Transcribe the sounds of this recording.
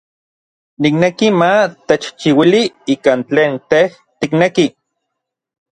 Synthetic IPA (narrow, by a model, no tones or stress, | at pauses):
niknekimat̪et͡ʃt͡ʃiwiliiːkaːnt͡ɬeːnt̪eh | t̪ikneki